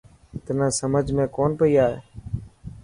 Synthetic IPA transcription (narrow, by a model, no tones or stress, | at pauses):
t̪ənãːsəməd͡ʒʱmẽːkoːnpəiːaːɦeː